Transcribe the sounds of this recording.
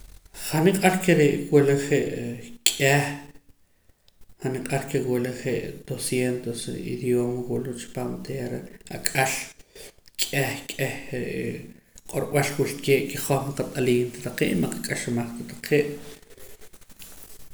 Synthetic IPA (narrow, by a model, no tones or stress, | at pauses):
χaniqʼaɾkeɾeʔweleχeʔkʼeh | χaniqʼaɾkewileχeʔd̪̥osjent̪osḭd̪joːmwuʔluʔt͡ʃi̥paːmt̪ʰeːɾea̰kʼal | kʼehkʼehɾeʔqʼoɾɓalwult̪keːʔkiχoχmaqat̪ʼaliːnt̪at̪aqḛːʔmaqakʼaʃmaχt̪at̪aqʰeːʔ